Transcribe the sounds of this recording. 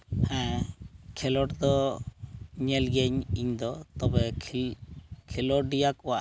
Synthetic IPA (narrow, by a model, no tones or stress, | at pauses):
hɛ̃ | kʰɛlɔʈd̪ɔ | ɲɛlɡɛɲiɲd̪ɔt̪ɔbɛ | kʰɛlɔɖijakɔwa